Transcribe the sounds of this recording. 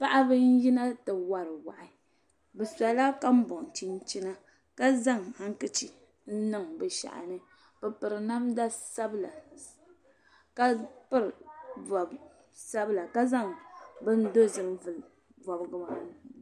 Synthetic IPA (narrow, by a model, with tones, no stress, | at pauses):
pa˦ʔa˦bɨ˦n̩˦ji˦na˦tɨ˨wa˨ɾɨ˨wa˨ʔɪ˨ | bɛ˨sa˨la˦ka˦m̩˦bɔ˨ŋ˨t͡ʃi˦n˦t͡ʃi˦na˦ | ka˦za˦˨ŋha˦ŋ˦kɨ˦t͡ʃi˨ | n̩˦nɨ˦˨ŋbɨ˨ʃa̰˨ʔa̰˨nɨ˦ | b̥ɛ˨pɨ˨ɾɨ˨na˦mda˦sa˦bla˨ | ka˦pɨ˦ɾɨ˨va˨b | sa˦bla˨ka˦za˦˨ŋbɨ˦n˦do˦zɨ˨m˦vɨ˨l | vɔ˨bɡɨ˦ma˨nɨ˨